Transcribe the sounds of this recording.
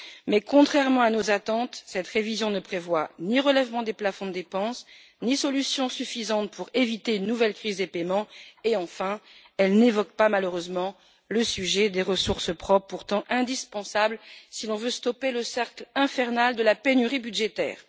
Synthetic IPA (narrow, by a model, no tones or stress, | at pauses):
mɛkɔ̃t̪χɛʁmɑ̃anozat̪ɑ̃t̪sɛt̪χevizjɔ̃nəpχevwaniʁəlɛvmɑ̃d̪eplafɔ̃d̪əd̪epɑ̃s | nisɔlysjɔ̃syfizɑ̃t̪̚pʰuʁevit̪eynːuvɛlkχizepemɑ̃eɑ̃fɛ̃ | ɛlnevɔk̚pamaløʁøzmɑ̃ | ləsyʒɛd̪eʁəsuʁsəpχɔpːuʁt̪ɑ̃ʔɛ̃d̪ispɑ̃sablsilɔ̃vøst̪ɔpeləsɛʁklɛ̃fɛʁnald̪əlapenyʁibyd̪ʒet̪ɛ̰ːʁ